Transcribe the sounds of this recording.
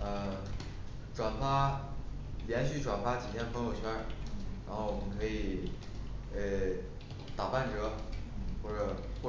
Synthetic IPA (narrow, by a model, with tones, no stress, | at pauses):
ə˧ | ʈ͡ʂwa˨˩nfa˥ | ljɛ˧˥nɕy˥˩ʈ͡ʂwa˨˩nfa˥t͡ɕi˨˩t̪ʰjɛ˥npʰɤ˧˥ŋjo˨˩ʊt͡ɕʰɥɛ˥˩ɻa˧˥nxo˥˩ʊwɔ˨˩mə˦˥kʰɤ˧˥i˨˩˦ | ə˥˧ | t̪a˨˩pa˥˩nʈ͡ʂɤ˧˥˧xwɔ˥˩ʈ͡ʂɤ˨˩xwɔ˥˩